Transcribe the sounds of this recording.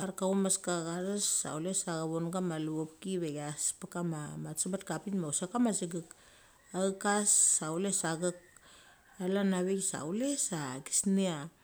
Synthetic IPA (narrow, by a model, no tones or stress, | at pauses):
aɾkaumaskaɡaɾesa̰wlesaɡaβonɡamaluopkiβeɡaspekamamat͡ʃibat̚kapinmausakamasiɡik | akasːawlesaɡɯk̚ | alanaβeksa̰wle̞saɡi̥snea